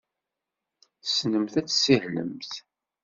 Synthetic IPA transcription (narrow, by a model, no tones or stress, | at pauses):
snəmθæt͡sːsihlə̰mθ